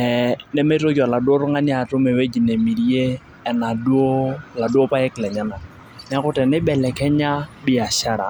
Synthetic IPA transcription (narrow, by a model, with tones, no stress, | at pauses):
ɛ˨nɛ˦mɛ˦to˦k̬ɔ˨la˨do˦ɾʊ˦ŋa˦ni˦a˨tʊ˦mɛ˨we˦d͡ʒi˨ne˨mi˨ɾi˦eː˦˨ | na˨du˦o˦la˨du˦o˦pa˦ɛ˦klɛ˨ɲa˦na˨ | nɛ˦a˦kʊ˦tɛ˨nɪ˦bɛ˨lɛ˨kɛ˦ɲa˦bɪ˦a˨ʃa˦ɾa̰˨